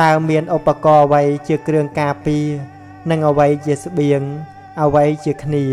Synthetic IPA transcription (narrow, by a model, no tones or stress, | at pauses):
t̪aəmiənʔopːakɑːəʋəjt͡ɕiəkrɨəŋkaːpiə | nɨŋʔəʋəjt͡ɕiəs̆ɓiəŋ | ʔəʋəjt͡ɕiəkʰniə